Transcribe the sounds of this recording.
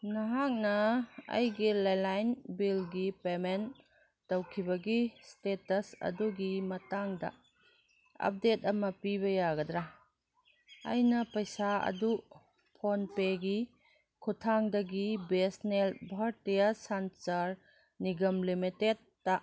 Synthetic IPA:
naɦak̚nɐɐ̰jɡilajlajnbilɡipemenː | ɐwkʰibɐɡistetɐsɐ̰duɡimɐtaŋdɐ̰ | ɐ̰p̚detɐmɐpiβɐjaɡɐd̪ɾa | ɐ̰jnɐpɐjsaɐ̰du | pʰonpeɡi | kʰutʰaŋdɐɡibesnelbʱaɾtijasant͡ʃaɾ | niɡɐmlimitetːa

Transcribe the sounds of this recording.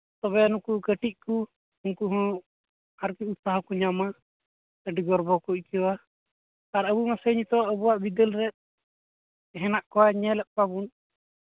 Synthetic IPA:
t̪ɔbɛnukukəʈiʔ̚ku | unkuɦɔ̃ | aɾkiut̪saɦakuɲama | əɖiɡɔɾbɔkuʔkɛwa | aɾəbumasəɲt̪ɔaʔəbuwaʔbid̪əlɾɛt̪̚ | ɦɛnaʔkɔwaɲɛlɛʔ̚pabun

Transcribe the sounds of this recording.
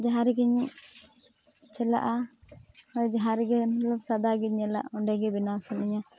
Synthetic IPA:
d͡ʒaɦaɾɡiɲ | t͡ʃɛla̰ʔa | ɔjd͡ʒaɦaɾɛɡɛmat̪labsad̪aɡiɲɛla̰ʔɔɳɖɛɡɛbinasɔnɛɲa

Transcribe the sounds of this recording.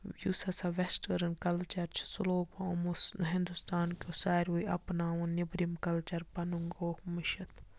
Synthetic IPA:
jusɐsaʋɛsʈəɾɨnkɐlt͡ʃɐɾt͡ʃʰsuloːɡɐmuɦɪ̃nd̪ust̪aːnkʲoːsaːɾʲuiɐ̰pnaːʋũnibɾimkɐlt͡ʃɐɾpɐnuŋɡoːkmɪʃɐt̪ʰ

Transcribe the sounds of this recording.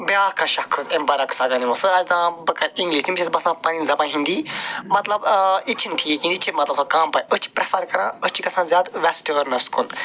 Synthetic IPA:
bjaːkʰãːʃɐkʰɨzɐnbɐɾɐksaːɡaːniʋõsɨɐd͡ʒt̪ãːbɐkɐɾĩŋɡliːʃimit͡ʃʰisbɐsãpɐninzɐbãːɦĩnd̪iːmɐt̪lɐbit͡ʃʰinʈʰiːkĩnd̪it͡ʃʰimɐt̪lɐbsakaːmpaːjət͡ʃʰi̥pɾefɐɾkɐɾãːət͡ʃʰiɡɐsʰãnzʲjaːt̪ʋɛsʈəːɾnɐskʰun

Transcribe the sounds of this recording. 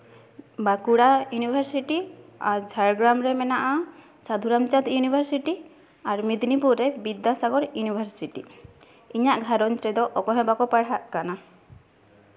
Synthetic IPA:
bakuɽajunibʱaɾsiʈiaɾd͡ʒʱaɾɡɾamɾɛmɛnaʔa | sad̪ʱuɾamt͡ʃat̪junibʱaɾsiʈi | aɾmid̪nipuɾɾɛbid̪ːasaɡɔɾjunibʱaɾsiʈi | iɲaʔɡʱaɾɔnt͡ʃɾɛd̪ɔʔɔkɔɦɛ̃bakɔpaɽɦaʔkana

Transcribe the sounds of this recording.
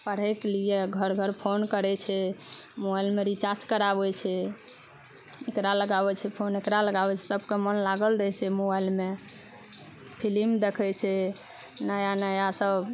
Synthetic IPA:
pəɽ̤ɛkelijeɡʱəɾɡʱəɾpʰonkəɾɛt͡ʃʰɛmobailmeɾit͡ʃat͡ʃkəɾabɛt͡ʃʰɛ | ekɾaləɡabɛt͡ʃʰɛpʰonekɾaləɡabɛt͡ʃʰɛ̥səb̚ʱkemənlaɡəlɾəɦɛt͡ʃʰɛmobailme | pʰilimd̪ekʰɛt͡ʃʰɛ | nəjanəjasəb

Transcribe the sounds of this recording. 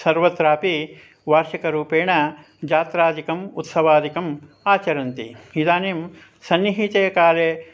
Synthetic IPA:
sɐɾʋɐt̪ɾaːpi | ʋaːɾʃikɐɾuːpeːɳɐ | d͡ʒaːt̪ɾaːd̪ʱikɐmṵt̪sɐʋaːd̪ʱikɐm | aːt͡ʃɐɾɐnt̪ḭid̪aːneːm | sɐnːiɦit̪eːɐkaːleː

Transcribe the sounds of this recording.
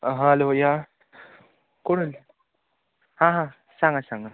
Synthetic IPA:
ɦaloːja | koɽul | hãːɦã | saŋɐsaŋa

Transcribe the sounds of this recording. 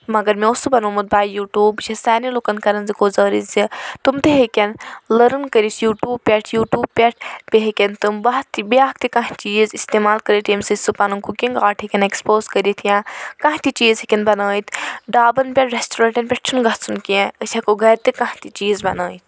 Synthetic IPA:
mɐɡɐɾmẽosɨbɐnoːmɐt̪̚baːjuːʈuːbt͡ʃʰɐsaːnilokɐnkɐɾɐnzikozəːɾizit̪umt̪eɦekʲɐnlɐɾɨnkəɾisjuːʈuːb̚pʲɐʈʰjuːʈjuːb̚pʲɐʈ̚ʰpeɦekʲɐnt̪ɨmbɐɦt̪ibiaːk̚t̪ikɐ̃ɦt͡ʃiːzist̪eːmaːlkɐɾiʈ̪imsɨsɨpɐnuŋkukʲiŋɡaːʈʰɦikʲɐnekspoːzkəɾit̪ʰjãːkãɦt̪it͡ʃiːzɦikʲɐnbɐnaːit̪ɖaːbɐnpʲɐʈʰɾesʈoɾɐɳʈɐnpʲeʈ̚ʰt͡ʃʰunɡɐt͡sʰunkiẽət͡ʃʲʰɐkoɡɐɾt̪ikɐ̃ɦt̪it͡ʃiːzbɐnəːit̪ʰ

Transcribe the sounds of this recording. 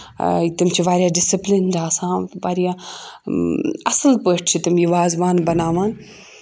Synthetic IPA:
it̪umt͡ʃʰiʋaːɾijaːɖɪsiplind͡ʒaːsãːʋaːɾija | ɐslpəːʈʰt͡ʃʰit̪umjiʋaːzʋaːnbɐnaːʋãːn

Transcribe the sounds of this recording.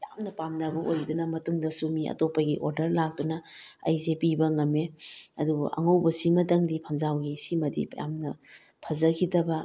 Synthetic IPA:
ja̰mnɐpamnɐbɐʔojɾidunɐmɐtuŋdɐsumiɐ̰topɐɡiʔoɾdɐɾlak̚dunɐɐ̰jzepibɐŋɐmeɐdṵɐ̰ŋɐwbɐsimɐtɐŋdipʰɐmzawɡisimɐdḭja̰mnɐ | pʰɐzɐkʰidɐbɐ

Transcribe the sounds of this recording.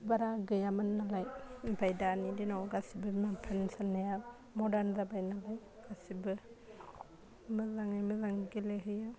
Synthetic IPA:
baɾaɡɯjamɯnːalajbajdaːnidinɔwɡasibɯmapʰansanːaja | mɔdanzabajnalaj | ɡ̥asibɯ | mɯzaŋajmɯzaŋɡeleɦɯja

